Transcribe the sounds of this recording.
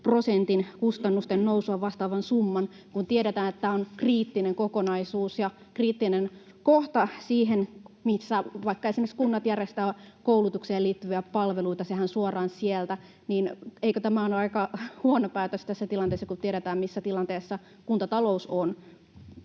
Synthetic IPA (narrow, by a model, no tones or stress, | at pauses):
prosent̪inkust̪ɑnːust̪ennousuɑʋʋɑst̪ɑːʋɑnsumːɑn | kunt̪ieɾet̪æːnet̪ːæonkriːt̪ːineŋkokonɑisuːsjɑ | kriːt̪ːinen | koht̪ɑsiːɦenmisːæʋɑikːɑesimĕkskunːɑt̪jærest̪æːkoulut̪uksieliːt̪ːyʋiæpɑlʋeluit̪ɑsehænsuɑrɑːnsielt̪æ | niːneikøt̪æmæonɑikɑhuonopæːt̪øst̪æsːæt̪ilɑnt̪eːsːɑkut̪ieɾet̪æːmmisːæt̪ilɑnt̪eːsːɑ | kunt̪ɑt̪ɑlouson